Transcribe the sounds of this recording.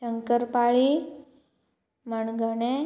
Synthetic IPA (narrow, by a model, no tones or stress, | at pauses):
əŋkəɾpaɭi | məɳɡʱəne